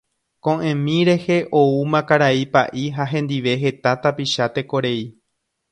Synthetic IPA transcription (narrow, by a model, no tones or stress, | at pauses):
kõ̞ʔẽmĩɾe̞he̞ʔo̞umãkaɾaipa̰ʔiɦaɦẽ̞nd̪iʋe̞ɦe̞t̪at̪apiʃat̪e̞ko̞ɾe̞i